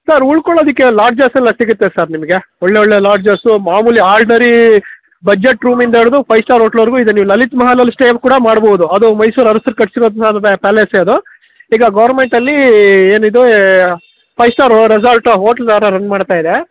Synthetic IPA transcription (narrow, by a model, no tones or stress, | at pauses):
sɐɾuɭkoɭːɐd̪ikːelaːɾɖd͡ʒaːsɛlːɐsiɡut̪ːesɐɾnimɐɡe | oɭːeɔɭːelaːɾɖd͡ʒɐsumaːmuːliaːɭɖinɐɾi | bɐd͡ʒeʈɾuːmind̪ɐeɽud̪upʰɐjsʈaːɾɦoːʈɐlʋɐɾɡuid̪eniːʋulɐlit̪mɐɦaːlɐlsʈeːpkuːɽɐmaːɽbowd̪uɐd̪umɐjsuːɾɐɾɐsɐɾkɐʈsiɾoːd̪saːd̪ɐɐpæːleseɐd̪u | iːɡɐɡɐʋɐɾnme̞ɳʈɐlːieːnid̪u | pʰɐjsʈaːɾɾesɐlʈɦoːʈɐld̪aːɾɐɾɐnmaːɖt̪aːjid̪e